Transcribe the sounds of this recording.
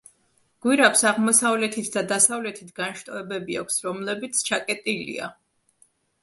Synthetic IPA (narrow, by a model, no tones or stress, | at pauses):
ɡ̥wiɾapsaʁmɔsavlɛt̪ʰit̪ʰd̪ad̪asavlɛt̪ʰit̪ʰɡ̥anʃt̪ʼɔɛbɛbia̰kʷʰsɾɔmlɛbit̪sʰt͡ʃʰakʼɛt̪ʼilḭa̰